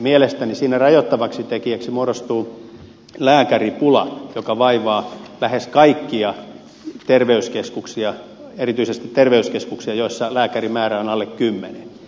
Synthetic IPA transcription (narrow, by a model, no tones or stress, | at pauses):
mielest̪ænisiːnærɑjot̪ːɑʋɑksit̪ekiæksimuoɾost̪uː | læːkæripulɑ̰jokɑʋɑiʋɑːlæheskɑikːiɑ | t̪erʋeyskeskuksiɑerit̪yisest̪it̪t̪erʋeyskeskuksiɑjoisːɑlæːkærimæːræonɑlːekkymːene